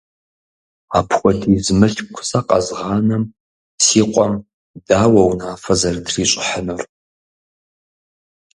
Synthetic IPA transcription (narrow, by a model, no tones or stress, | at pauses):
aːpʰxʷɔtʰiːzmɨɬkʷʰʊ̥saqʼɐ̰zʁɑːnɐm | siːqʷʼɔm | daːwɐwnaːfɐzɐrdriːɕʷʼɪħənɨr